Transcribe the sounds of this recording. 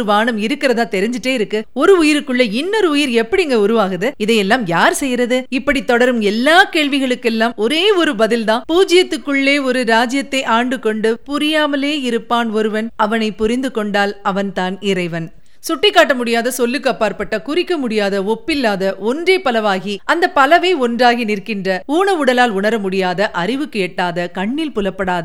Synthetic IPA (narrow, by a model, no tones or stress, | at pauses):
ɯʋaːɳɐmɪɾɯkːɪɾɐðãːt̪ɛɾɪɲd͡ʒɪʈːeːɪɾɯkːɯɔɾɯʊjɪɾɯkːɯɭːɐɪnːɔɾɯʊjɪɾɛpːɐɽɪɛŋɡɐʊɾɯʋaːɣɯðɯɪðɐjɛlːaːmjaːɾsɛjɾɐðɯɪpːɐɽit̪ːɔɽɐɾɯmɛlːaːkeːɭʋɪɣɐɭɯkːɛlːaːmɔɾeːɔɾɯbɐðɪlt̪ãːpuːd͡ʒɪjɐt̪ːɯkːɯɭːeːɔɾɯɾaːd͡ʒɪjɐt̪ːɐɪʔaːɳɖɯkɔɳɖɯpʊɾɪjaːmɐleːɪɾɯpːaːnɔɾɯʋɐnɐʋɐnɐɪpːʊɾɪnd̪ɯkɔɳɖaːlɐʋɐnt̪aːnɪɾɐɪʋɐn | sʊʈːɪkːaːʈ̬ːɐmʊɽɪjaːðɐsɔlːɯkːɐpːaːɾpɐʈːɐkʊrɪkːɐmʊɽɪjaːðɐɔpːɪlːaːðɐʔɔndreːpɐlɐʋaːɣiɐnd̪ɐpɐlɐʋɐɪɔndraːɣinɪrkɪndrɐuːɳɐʊɽɐlaːlʊɳɐɾɐmʊɽɪjaːðɐʔɐɾɪʋɯkːɯɛʈːaːðɐkɐɳːɪlpʊlɐpːɐɽaːðɐ